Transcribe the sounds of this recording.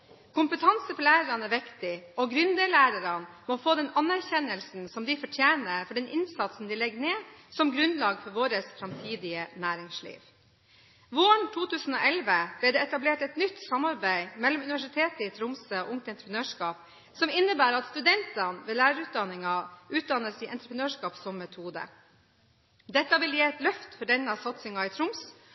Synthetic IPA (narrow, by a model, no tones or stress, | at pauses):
kʰʊmpət̪ʰɑnsəfɔlæːɾəɾɑnɛʋɪkt̪ɪɔɡɾʉnd̪eːlæːɾəɾɑnmɔfoːd̪ɛnɑnæɾçɛnəlsn̩sɔmd̪ɪfɔʈʰjeːnəfɔɖɛnʔɪnsɑt̪sn̩d̪ɪlɛɡəneːsɔmɡɾʉnlɑːɡfɔɾʋoːɾəsfɾɑmt̪ʰiːd̪ɪənæːɾɪŋslḭːʋ | ʋoːɳt̪ʰuːt̪ʉːsn̩oːʔɛlʋəb̥lɛd̪ɛːɛt̪ɑbleːʈɛt̪nʏt̪sɑmɑɾbæɪmɛlɔmʉnɪʋæʂɪt̪ʰeːt̪əit̪ʰɾʊmsəo̰ʔʊŋt̪ɛnt̪ɾəpnøːʂkɑːp̚ | sɔmɪnːəbæːɾɑt̪st̪ʉd̪ɛnt̪ɑnʋɛːlæːɾəɾʉːt̪̚d̪ɑnɪŋɑʉːt̪̚d̪ɑnəsɪʔɛ̰nt̪ɾəpɾənøːʂkɑːpsɔmːɛt̪ʰuːd̪ə̰ | d̪ɛt̪ːɑʋɪljeːt̪lœft̪fɔɖɛnːɑsɑt̪sɪŋɑɪt̪ʰɾʊms